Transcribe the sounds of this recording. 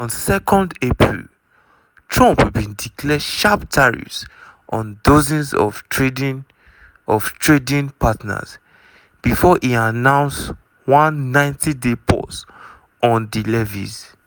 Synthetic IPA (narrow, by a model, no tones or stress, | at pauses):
ɔ̃nsɛkɔ̃ndepʰɹḭl | tʰɹɔ̃mpbĩndikʰlɛʃaptʰaɹḭsʔɔ̃ndozĩnzɔ̰fɹedn | ɔvtʰɹedĩnpʰatna̰z | b̥ifɔʔianãʊ̃ns | wãnːãɪ̃ntʰidepʰɔ̰s | ɔ̃ndilɛvḭz